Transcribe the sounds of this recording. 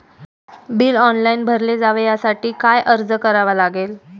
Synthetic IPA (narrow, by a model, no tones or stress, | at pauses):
biːlɔnlainbʱəɾled͡zaʋejasaʈiːkajʔəɾd͡zəkəɾaʋalaɡel